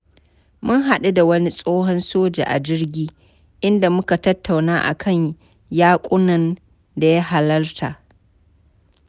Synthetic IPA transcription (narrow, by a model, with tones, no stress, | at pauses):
mʊ˦ŋɦa˨ɗe˦da˨wɐ˦ni˦sʼoː˦ɦɔ˦nsoː˦d͡ʒa̰˨ʔa̰˨d͡ʒɪ˦rɡʲiː˦ | ʔɪ˦nda˨mʊ˦ka˨tɐ˦tːa˨wnaː˦ʔa̰˨kʰɐ˦˨ɲ | jaː˦kʷʼʊ˦nɐ˨n | da˨ja˦ɦa˨lɐ˦rtʰa˨ʔ